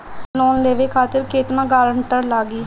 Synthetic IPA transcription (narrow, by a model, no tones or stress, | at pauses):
lɔːnleːʋeːkʰaːt̪ɪɾkeːt̪nãːkaːɾəɳʈəɾlaːɡiː